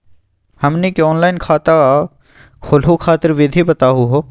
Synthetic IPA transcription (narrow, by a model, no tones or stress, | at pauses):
hɐmnikeɔːnlaːɪnkʰaːt̪a | kʰoːlukʰaːt̪əɾʋɪd̪ʱibɐt̪aːɦuɦoː